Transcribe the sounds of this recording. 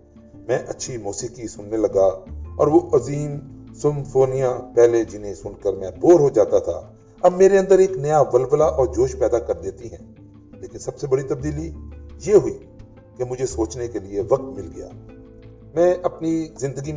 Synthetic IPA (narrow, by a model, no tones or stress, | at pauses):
mɛ̃ːʔɐtːʃʰimɔːsiːkisʊnːelɐɡaɔ̰ːɾʋoʔɐziːmsɪ̃mfoːnijãpɛːled͡ʒɪnɦẽsʊnkəɾmɛ̃ːt̪boːɾɦod͡ʒaːt̪at̪ʰa̰ | ɐbmeːɾeɐ̃nd̪əɾeːknɐjaʋɐlʋəlaʔɔːɾd͡ʒoːʃpɛːd̪akɐɾd̪eːt̪iɦɛ̃ː | leːkɪnsɐbsebɐɽit̪ɐb̚d̪iːlijeːɦʊi | kemʊd͡ʒʱesoːt͡ʃnekelieʋɐk̚t̪mɪlɡɐja̰ː | mɛ̃ːʔɐpnizɪ̃nd̪əɡi